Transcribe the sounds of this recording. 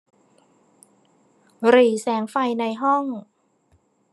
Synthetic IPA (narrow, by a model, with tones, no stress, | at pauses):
ɾiː˨˩˦sɛː˩˦ŋfa˧jna˧jɦɔ˥˩ŋ